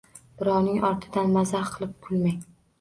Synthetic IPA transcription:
b̥ɪɾɒwnɪŋɒɾt̪ʰɪd̪anmazaɾqʰɨlˠɪp̚kʰʊlˠmaj

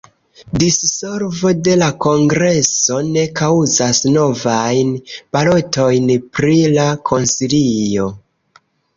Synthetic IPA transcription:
disso̞ɾvo̞de̞lako̞ŋɡɾe̞so̞ne̞kawzasno̞vajnbalo̞tʰo̞jnpɾilakʰo̞nsilijo̞

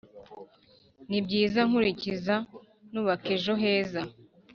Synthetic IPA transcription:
nibɟiːzaŋ̥uɾiciza | nuːβakeʒo̞ɦe̞ːza

